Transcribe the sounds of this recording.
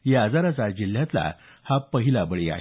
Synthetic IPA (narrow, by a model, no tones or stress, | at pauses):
jad͡zaɾat͡sad͡ʑil̤jãt̪la̰ | hapəɦilabəɭia̰ɦe